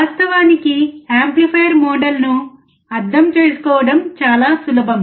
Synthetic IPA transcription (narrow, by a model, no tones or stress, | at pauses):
ʋaːst̪ɐʋaːnikiɦaːmplipʰɐjɐɾmɔːɖɐlnu | ɐɾd̪ʱːɐmt͡ʃeːsu̥kɔːʋɐɽɐmt͡ʃaːlaːsulɐbʱɐm